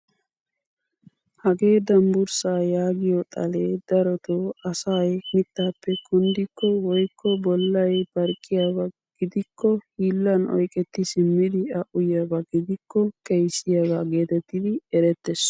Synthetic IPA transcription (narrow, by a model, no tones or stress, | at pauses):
hɐɡe̞ːd̪ɐmbʊɾsaːjaːɡɪjɔt̪ʼɐleːd̪̥ɐɾɔt̪oːɐsajmɪt̪ːaːpːɛkʊnd̪ɪkːɔwɔjkːɔbɔlːɐjb̥ɐɾkʼːɪjabɐ | ɡ̥ɪd̪ɪkʰːɔhiːlːɐnʔɔ̰jkʼɛt̪ːɪsɪmːɪd̪ɪɐʔʊjabɐɡɪd̪ɪkʰːɔkɛjsɪjabaɡe̞ːt̪ɛt̪ːɪd̪ɪɛɾɛt̪ːɛs